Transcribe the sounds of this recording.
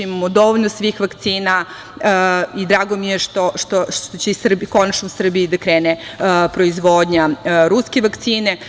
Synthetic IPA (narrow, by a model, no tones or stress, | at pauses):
imamod̪o̞ʋoʎnosʋixʋakt̪siːna | id̪ɾaːɡo̞mijeʃt̪oʃt̪oʃt̪ot͡ɕeisr̩bko̞nat͡ʃnousr̩bijid̪akɾeːnepɾo̞izʋoːd̪ɲaɾuskeʋakt̪siːne